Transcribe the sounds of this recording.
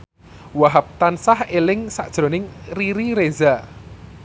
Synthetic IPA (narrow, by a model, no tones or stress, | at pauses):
waɦap̚t̪ansahelɪŋsa̰ʔʒ̥ɾo̤nɪŋriɾiɾeza